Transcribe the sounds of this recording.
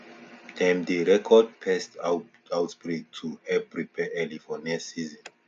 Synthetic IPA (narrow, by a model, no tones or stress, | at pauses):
d̥ɛ̃mdeɹɛkʰɔd̚pʰɛst | awtsbɹik̚tʰuɛbɹipɛʔɛlifɔnasizɔ̃n